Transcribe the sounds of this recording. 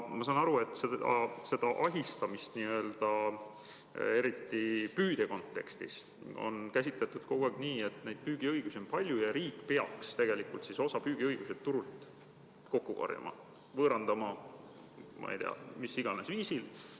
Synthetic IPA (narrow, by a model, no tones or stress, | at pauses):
mɑsɑːnɑɾue̞t̪ˑːseɑse̞d̪̥ɑʔɑɦist̪ɑmist̪niø̞ːld̪̥ɑ | e̞ɾit̪ːipyːd̪̥e̞ko̞nt̪ːˑe̞̰kst̪ḭs | o̰nkæsʲit̪let̪ːˑud̪̥̚koɡ̥uæɡ̥niːe̞t̪ˑne̞jd̪̥̚pyːɡ̥iɤjɡ̥usio̞npɑlʲjujɑɾiːkˑːpeɑkst̪e̞ɡ̥e̞likˑult̪siso̞sɑpyːɡ̥iɤjɡ̥used̪t̪ːuɾult̪ˑ | ko̞kːˑukɑ̰rjɑ̰mʔɑ̰ | vɤːɾɑnd̪̥ɑmɑ | mɑ̰jd̪eɑ̰misiɡ̥ɑnesviːsil